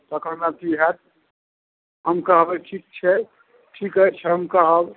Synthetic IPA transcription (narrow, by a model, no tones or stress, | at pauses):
t̪ɔkəɾnat̪iɦɛt̪̚ | ɦəmkəɦbɛʈʰik̚t͡ʃʰɛ | ʈʰikət͡ʃʰɛɦəmkəɦəb